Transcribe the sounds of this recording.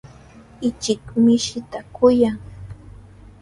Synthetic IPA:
ɪt͡ʃɪkmɪʃɪt̪akʊjaŋ

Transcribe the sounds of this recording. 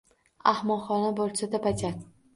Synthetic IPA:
ahmɒχɒnabolsad̪apat͡ʃʲat̪

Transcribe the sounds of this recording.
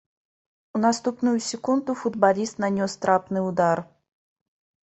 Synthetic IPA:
nɐst̪upnʊjʊsʲɪkund̪ʊfʊd̪balʲist̪nɐnʲost̪ɾapnɨjʊd̪ar

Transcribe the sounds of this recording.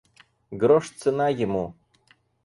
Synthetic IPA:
ɡɾoʂt͡sʰɨnajɪmu

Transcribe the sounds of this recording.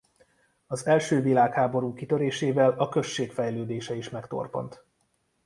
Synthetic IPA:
ɒzɛlʃøːvilaːkhaːbo̞ɾuːkit̪øɾeːʃeːvɛlɒkø̞ʃːeːkfɛjløːd̪eːʃɛiʃmɛkt̪o̞̰rpo̞̰nt̪

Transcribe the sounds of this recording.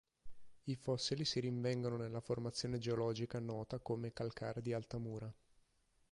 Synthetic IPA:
ifɔsːilisiɾiɱvɛŋɡononelːaformat̪sːjoːned͡ʒeolɔːd͡ʒikanɔːt̪akomekalkʰaːɾed̪ialt̪amuːɾa

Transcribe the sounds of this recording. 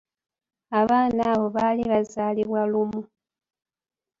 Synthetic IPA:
aβaːnaβo̞βaːliβazaːliβwalumu

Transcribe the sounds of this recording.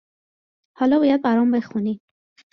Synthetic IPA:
hɒːlɒːbɒːjæd̪̚bæɾɒːmbe̞xuni̥

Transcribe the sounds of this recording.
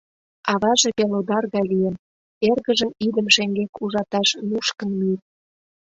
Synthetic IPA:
ɑβɑʒĕpelod̪ɑrɣɑlijem | erɣəʒəmid̪əmʃeŋɡekuʒɑt̪ɑʃmuʃkə̆nmir

